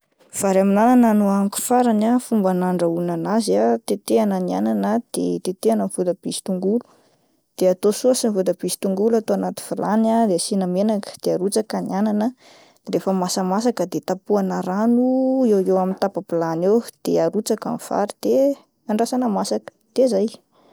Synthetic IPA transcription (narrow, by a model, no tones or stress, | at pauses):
v̥aɾaminanananuaŋku̥faɾanafumbanaɳɖ͡ʐaunanazat̪et̪eananiananəd̪̥ḛt̪et̪eanənvud̪əb̥isi̥t̪uŋɡulu̥ | d̪̥eat̪osuəsinivud̪əb̥isi̥t̪uŋɡulat̪oanat̪i̥v̥ulanad̪easinamenakə̥d̪̥eaɾut͡sakaniananə | d̪̥eɾefəmasəmasakəd̪et̪apuanəɾanuewewamint̪apaplanewd̪̥eaɾut͡saka̰nifa̰ɾid̪̥e | aɳɖ͡ʐasanəmasakə̥d̪̥ezaj